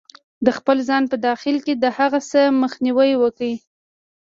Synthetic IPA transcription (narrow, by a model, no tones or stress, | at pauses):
d̪əxpəlzɑnpəd̪ɑxɪlked̪əhaɣasəməxniwəjwəki